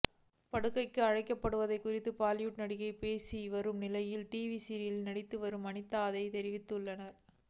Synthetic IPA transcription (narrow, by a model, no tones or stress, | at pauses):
pɐɽɯkːɐɪkːɯɐɻɐɪkːɐpːɐɽɯʋɐðɐɪkːʊrɪt̪ːɯpaːlɪjuʈnɐɽɪɣɐɪpeːsiʋɐɾɯmnɪlɐjɪlʈiːʋisiɾjɪlnɐɽɪt̪ːɯʋɐɾɯmɐnɪt̪ːaːðɐɪt̪ɛɾɪʋɪt̪ːɯɭːɐnɐɾ